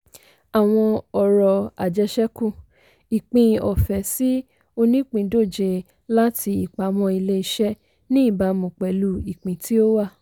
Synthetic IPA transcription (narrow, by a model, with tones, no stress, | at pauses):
a˨w̃ɔ̃˧ɔ˨ɾɔ˧a˨d͡ʒɛ˧˦ʃɛ˦kũ˦˨ | i˨k͡pĩ˨˧ɔ˨fɛ˨˦si˦ | o˧nĩ˦k͡pĩ˨˧˦do˦˨d͡ʒe˧ | la˦tʰi˧i˨k͡pa˨m̃ɔ̃˧i˧le˦i˧ʃɛ˦ | nĩ˦i˦˨ba˧˦mũ˨k͡pɛ˨˦lu˦i˨k͡pĩ˨˦tʰi˦o˦wa˦˨